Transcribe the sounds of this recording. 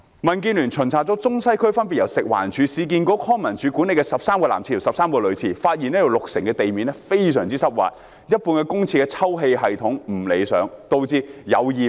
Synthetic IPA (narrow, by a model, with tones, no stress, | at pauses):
mɐ˨˩nk̬iː˧nlyː˨˩nt͡ʃʰɵ˨˩nt͡sʰaː˨t̚t͡sɔ˨˥t͡sʊ˥ŋsɐ˥jkʰɵ˥ɥfɐ˥np̬i˨jɐ˨˩wsɪ˨k̚wa̰ː˨˩nt͡ʃʰyː˨˧siː˨˧k̬iː˨˧nkɔː˨˧˥kʰɔː˥ŋmɐ˨nt͡ʃʰy˨˥kuː˨˥ne˧jkɛ˧sɐ˨p̚saː˥mkɔː˧laː˨˩mt͡sʰi˧˥˩i˨˩sɐ˨p̚saː˥mkɔː˧lɵ˨˧t͡sʰiː˨˩faː˧t̚jiː˨nɛː˥jɐ˨˧wlʊ˨k̚sɪ˨˩ŋkɛ˧t̪e˨jmiː˨nɛ˥fe˥jsœː˨˩ŋt͡siː˥sɐ˥p̚wa̰ː˨t̚ | jɐ˥t̚puː˧nkɛ˧kʊ˥ŋt͡sʰiː˧kɛ˧t͡sʰɐ˥wɦe˧jɦɐ˨jt̪ʰʊ˨˥ŋm̩˨˩le˨˧jsœ̰ː˨˥ŋt̪o˧wt͡siː˧jɐ˨˧wjiː˨